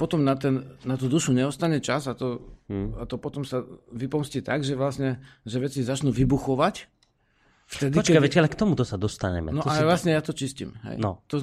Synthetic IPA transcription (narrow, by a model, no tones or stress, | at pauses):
pɔt̪ɔmnat̪ɛnːat̪ud̪uʃuɲɛɔst̪aɲɛt͡ʃazat̪ɔat̪ɔpɔt̪ɔmsaʋipɔmsciːt̪aɡʒɛʋlasɲɛʒɛʋɛt͡sizat͡ʃnuʋibuxɔʋac | ft̪ɛd̪iɔt͡ʃɛkaʋɛcɛalɛkt̪ɔmut̪ɔsad̪ɔst̪a̰ɲɛ̰mɛ̰nɔʔalɛʋlasɲɛjat̪ɔt͡ʃiscḭmɦɛ̰jnɔ̰t̪ɔ